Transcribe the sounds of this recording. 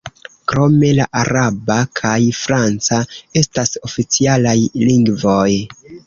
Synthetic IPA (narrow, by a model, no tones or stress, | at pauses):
kɾo̞me̞laʔaɾabakʰajfɾant͡sae̞staso̞fit͡sialajliŋɡvo̞j